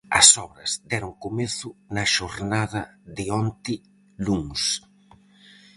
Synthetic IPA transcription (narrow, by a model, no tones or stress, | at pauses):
ɐ̰sɔβɾɐzd̪ɛɾʊŋkomeθʊnɐʃoɾnaðɐðɪɔnt̪ɪ | luŋs